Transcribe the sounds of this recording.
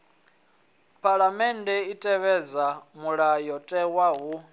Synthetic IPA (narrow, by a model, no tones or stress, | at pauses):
pʰʼaɺamɛndɛitʼɛβɛd͡zamuɺajɔtʼɛwaɦu